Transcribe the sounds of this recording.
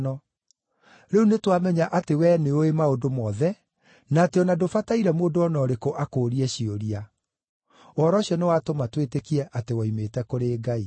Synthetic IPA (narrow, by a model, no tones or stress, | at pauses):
nɔ | ɾeunetwamɛɲaʔatewɛneoemaodomɔːðɛ | naːteɔnadofataiɾɛmoːndoɔnɔɾekoʔakoːɾiɛɕioɾia | ɔɾɔɕiɔnewatomatwetekiɛʔatewaimetɛkoɾeːɡai